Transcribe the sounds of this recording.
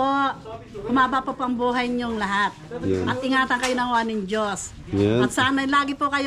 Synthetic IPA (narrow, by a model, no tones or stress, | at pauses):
oʔhʊmaːbɐpopʔɐmbuːɦɐjɲoŋlɐɦat̪̚ʔɐt̪̚ʔɪŋaːt̪ɐnkɐjonɐŋwaːnɪŋd͡ʒos | ʔɐt̪sɐʔanɐjlaːɡɪpokɐj